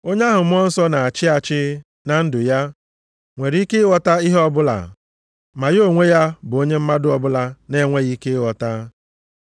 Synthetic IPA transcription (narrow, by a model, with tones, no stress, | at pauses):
o˦ɲ˦a˦ɦʊ˨m̩˦ɔ˦n̩˦sɔ˦na˨a˨t͡ʃɪ˦a˨t͡ʃɪ˦ | na˨n̩˦dʊ˨ja˦ | ŋʷe˨ɾke˦wɔ˨ta˦i˦ɦɔ˦bʊ˦la̰˨ | ma˨jo˦˨ŋʷe˦ja˦bʊ˨o˦ɲe˦m̩˦ma˦dʊ˦ɔ˨bʊ˦la˨ne˦ŋʷe˦ɣi˦ke˦wɔ˨ta˦